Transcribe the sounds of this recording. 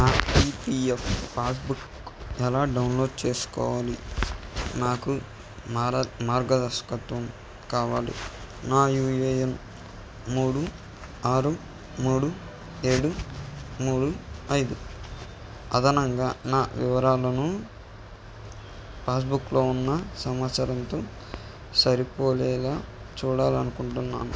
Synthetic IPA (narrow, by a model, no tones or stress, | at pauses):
naːpipiefpaːsbuk | ɛlaːɖɐwnlo̞ːɖt͡ʃe̞ːsu̥kɔ̰ːʋaːli | naːku | mamaːɾɡɐd̪ɐskɐt̪ʋɐm | kaːʋaːlḭ | naːjuːjejen | muːɽu | aːɾu | muːɽu | e̞ːɽu | muːɽuɐjd̪u | ɐd̪ʱɐnɐŋɡaːnaːʋiʋɐɾaːlɐnu | paːs̬buklo̞ːunːɐsɐmaːt̪sɐɾɐnt̪o̞ː | sɐɾipo̞ːlɛːlaː | t͡ʃuːɽaːlɐnukuɳʈunːa̰ːnu